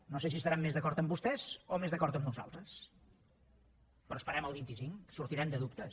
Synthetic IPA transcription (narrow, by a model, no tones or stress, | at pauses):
noses̬iəsɾamːezðəkɔɾt̪əmbust̪ɛzomezðəkɔɾt̪əmnuza̰lˠt̪ɾəs | pɾɔəspəɾɛməlˠβint̪isiŋsuɾt̪iɾɛmd̪əðup̚t̪ə